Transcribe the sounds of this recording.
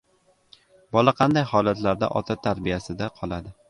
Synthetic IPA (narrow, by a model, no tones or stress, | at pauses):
bɒlˠaqʰɑnd̪ajhɒlˠat̪laɾd̪a̰ʔɒ̰t̪ʰat̪ʰaɾbijasɪd̪aqʰɒlˠad̪ɪ